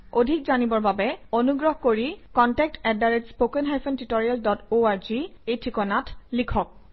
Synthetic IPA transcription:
odʱik̚zanibɔɹbabɛonuɡɹɔɦkoɹikɔntɛk̚tɛdaɹetspokɛnɦajpʰɔntitɔɹialdɔtoaɹziejtʰɹikɔnatlikʰɔk̚

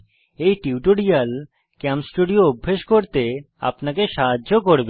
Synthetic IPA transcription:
ejʈiuʈoɽijal | kamsʈuɖioubʱːeʃkoɾt̪e | a̰pnakeʃaɦaːokoɾbe

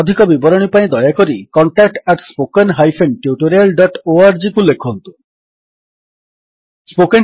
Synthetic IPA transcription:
d̪ʱikɔbibɔɾoɳ̃ipajd̪ɔeakoɾikɔɳʈak̚ʈɛʈspokenɦajfʰenʈuʈoɾelɖɔʈoaɾd͡ʑikulːekʰːoɦont̪u | spoken

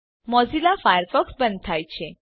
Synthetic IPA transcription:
mɔd͡zilafajəɾfɔksbənt̪ʰajt͡ɕʰẽ

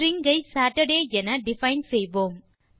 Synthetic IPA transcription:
ɾɪŋɡɐɪsaːʈɐɖeːɛnɐɖɪfɐɪnsɛjʋoːm

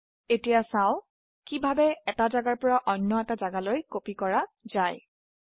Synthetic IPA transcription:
etijasaʊ̃ | kibʱabɛɛtazaɡaɹpɔɹaʔɔnːɔɛtazaɡalojkopikɔɹazaj

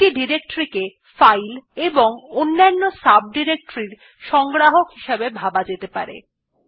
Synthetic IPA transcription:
iɖiɾek̚ʈoɾike | fajleboŋonːanːosab̚ɖiɾek̚ʈoɾiɾ | ʃɔŋɡɾaɦokɦiʃabebʱabad͡ʑet̪epa̰ɾḛ

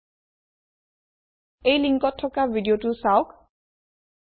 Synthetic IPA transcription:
ejliŋkɔtʰːɔkabʱidiotʊsawk

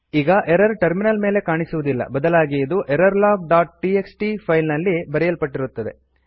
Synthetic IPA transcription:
iːɡɐʔeɾɐɾʈɐɾminɐlme̞ːle̞kaːɳisuʋud̪ilːɐ̰bɐd̪ɐlaːɡijɐd̪uʔeɾɐɾlaːɡ̚ɖaːʈ̚ʈieksʈipʰɐjlnɐlːibɐɾɛjɐlpɐʈːiɾut̪ːɐd̪e̞̰

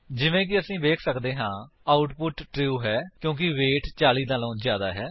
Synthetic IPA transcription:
d͡ʒɪʋẽːk̬ɪəsĩːbeːkʰsəkd̪eːɦãːaːʊʈpʊʈʈɾiuːɦɛːkjõːk̬ɪʋeːʈt͡ʃaːliːd̪aːlõːzjaːd̪aːɦɛː

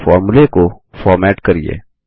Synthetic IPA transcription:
fɔːɾmulekofɔːɾmɛːʈkɐɾiḛː

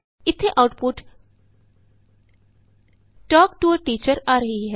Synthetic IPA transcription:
ɪt̪ʰːeʔaʊʈpʊʈ | ʈɔːkʈuəʈiːt͡ʃəɾaːɾɐɦiɦɛː

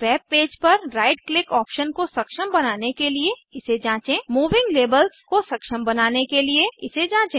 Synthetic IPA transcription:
ʋɛːb̚peːd͡ʒpɐɾɾaːɪɖklɪkɔːpʃənkosɐkʃəmbɐnaːnekelieɪsed͡ʒãːt͡ʃẽmuːʋɪ̃ŋɡleːbəlskosɐkʃəmbɐnaːnekelieɪsed͡ʒãːt͡ʃẽː

